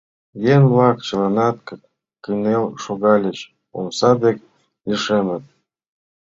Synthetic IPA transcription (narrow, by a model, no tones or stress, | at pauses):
jenvlɑkt͡ɕə̆lɑnɑt̪̚kə̆ | kinelʃoɣɑlʲət͡ɕ | o̰msɑd̪ek | lʲiʃemə̆t̪̚